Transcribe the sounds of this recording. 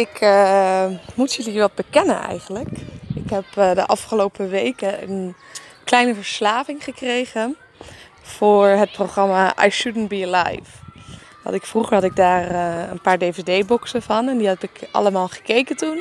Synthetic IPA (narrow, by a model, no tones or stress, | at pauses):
ɪk | mutjədiːɹʋɛt̚bəkɛnə̰nɛ̰jχənləkɪkɦɛpdəʔɑfχəlowpəʋejkəənklɛjnəvəɹslaːvɪŋχəkrejχə | fʊːɹɦət̚prowχrɑmaʔa̰jʃudənbila̰jf | ʋɑ̰ntɪkfruχəɹhɑtɪɡ̚daːrənpaːɹdejvedejbɔksəvɑnɛndiɦɑtɪkʔɑ̰ləmaːlˠχə̥kejkəntun